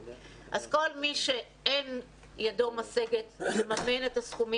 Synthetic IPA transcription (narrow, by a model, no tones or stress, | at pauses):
ʔazko̞lmiʃe | en | jadomaseɡetmemaminetasχumi